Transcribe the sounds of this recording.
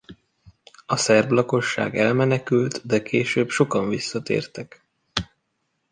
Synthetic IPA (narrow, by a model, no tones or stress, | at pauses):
ɒsɛrblɒko̞ʃːa̰ːɡɛlmɛnɛkylt̪d̪ɛkʰeːʃøːbʃo̞kɒɱvisːɒt̪ḛːrt̪ɛk